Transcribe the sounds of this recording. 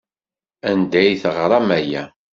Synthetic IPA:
ænd̪æjθəʁɾˤɑmæjæ̰

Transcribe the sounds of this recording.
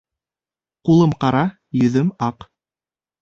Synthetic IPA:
qulˠɤmqɑɾɑ | jɵ̆ðɵmɑq

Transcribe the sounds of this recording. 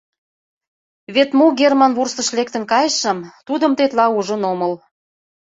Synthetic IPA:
βet̪muɡʲermɑnβurst̪ə̆ʃlek̚t̪ə̆nkɑjəʃə̆mt̪ud̪ə̆mt̪et̪lɑuʒə̆noməl

